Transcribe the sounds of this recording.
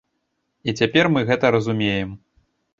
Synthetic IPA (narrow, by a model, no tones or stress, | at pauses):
it͡sʲapʲɛrmɨɣɛt̪ɐɾɐzumʲejɛm